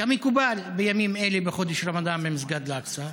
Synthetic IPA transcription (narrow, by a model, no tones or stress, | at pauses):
amekubalbejamimelebeχo̞d̪eʃɾamad̪ambemizɡad̪laksa